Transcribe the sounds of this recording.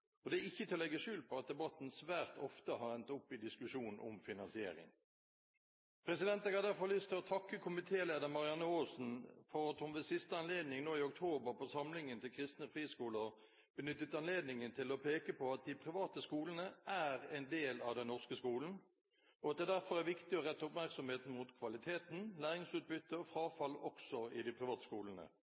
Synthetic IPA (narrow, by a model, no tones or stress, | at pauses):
ɔd̪ɛæɪçːət̪ʰɪlːɛɡːəʂʉːlpʰɔɑt̪̚d̪ɛbɑt̪ːn̩sʋæːʁt̪ɔft̪əhɑʁɛnt̪ʊpːɪd̪ɪskʉʂuːnnʔʊ̰mfɪnɑnsɪḛːɾɪ̰ŋ | pʰɾɛsɪd̪ɛnt̪ɛɡɑd̪æʁfɔʁlʏst̪ʰɪlɔt̪ʰɑkːəkʰʊmɪt̪ʰeːleːd̪əʁmɑʁɪɑnːəoːsn̩fɔʁɑt̪hʊmʋɛsɪst̪əɑnleːd̪nɪŋnoːɪʊk̚t̪ʰoːbəʁpʰɔsɑmlɪŋənt̪ʰɪlkʰʁɪst̪nəpʁiːskuːləʁ | b̥ənʏt̪ːət̪ɑnleːd̪nɪŋənt̪ʰɪlɔpʰeːkəpʰɔɑt̪̚d̪ɪpʰʁɪʋɑːt̪əskuːlən̩əæʁɛɪnd̪eːlɑʋd̪ɛnɔʁskəskuːln̩ | ɔɑt̪̚d̪ɛːd̪æʁfɔʁæʋɪkt̪ɪɔʁɛt̪ːʊpmæʁksɔmheːt̪n̩mʊt̪kʰʋɑlɪt̪ʰeːt̪n̩læːʁɪŋsʉːt̪̚bʏt̪ːəɔfɾɑːfɑlɔksɔɪd̪ɪpʰʁɪʋɑːt̪ə̥skuːlənə̰